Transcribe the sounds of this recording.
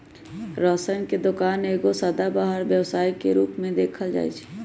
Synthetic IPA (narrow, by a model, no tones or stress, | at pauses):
ɾɔːsənked̪ʊkaːneːɡosəd̪abaːɦəɾʋjəwsaːikeɾuːpmẽd̪eːkʰəld͡ʒa̰ːḭt͡ʃʰɛ̥ː